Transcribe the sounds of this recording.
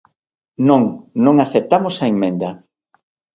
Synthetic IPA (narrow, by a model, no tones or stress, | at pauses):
nõŋnõŋaθep̚t̪amʊsɐeŋmẽnd̪ɐ